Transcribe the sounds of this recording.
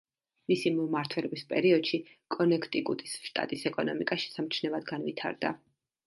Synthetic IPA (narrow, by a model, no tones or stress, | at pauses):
misimumaɾt̪ʰwɛlɔbispʼɛɾiɔd̪̥ʃi | kʼɔnɛkʰt̪ʼiɡut̪ʼisʃt̪ʼa̰t̪ʼisɛkʼɔnɔmikʼaʃɛ̥samt͡ʃʰnɛvad̪ɡanvit̪ʰa̰ɾd̪a̰